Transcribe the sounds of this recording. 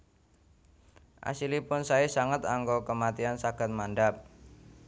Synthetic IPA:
ʔa̰silipʊnsaisaŋət̪aŋɡokəmat̪iansaɡ̥a̤t̪̚manɖap̚

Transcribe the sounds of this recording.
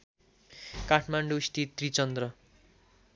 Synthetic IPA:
kaʈʰmaɳɖust̪it̪rit͡sʌnd̪ɾʌ

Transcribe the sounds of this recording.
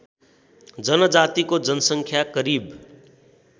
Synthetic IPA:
d͡zʌnʌd͡zat̪ikod͡zʌnʌsʌŋkʰjakʌɾib

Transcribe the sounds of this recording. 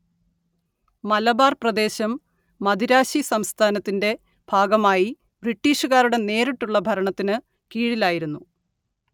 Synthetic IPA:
mɐlɐbaːrprɐd̪e̞ːɕɐmː | ɐd̪iɾaːɕisɐmst̪ʰaːnɐt̪ːinde̞ | b̥ʱaːɡɐmaːji | briʈːiːɕuɣaːɾuɽe̞ne̞ːɾiʈːuɭːɐbʱɐɾɐɳɐt̪ːinɨ | kiːɻilaːjiɾunːu

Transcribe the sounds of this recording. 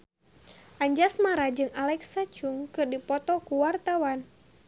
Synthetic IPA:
ʔaɲd͡ʒasmaɾad͡ʒɨŋalɛksat͡ʃuŋkɨrdipɔt̪ɔkuwart̪awan

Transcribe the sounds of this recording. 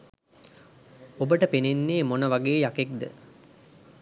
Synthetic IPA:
obəʈəpenenːeːmonəʋaɡeːjakekd̪ə̰

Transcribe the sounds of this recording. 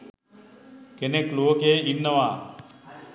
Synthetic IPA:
kenekloːkeːinːəʋaː

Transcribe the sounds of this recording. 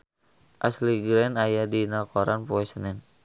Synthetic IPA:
ʔasliɡɾɛnajadinakɔɾanpoɛsənɛn

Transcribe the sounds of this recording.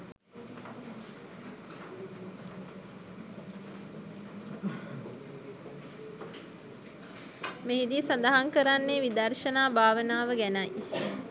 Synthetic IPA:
meɦid̪isad̪aɦaŋkəɾanːeʋid̪ɐrʃənaːbʱaːʋənaːʋəɡænɐj

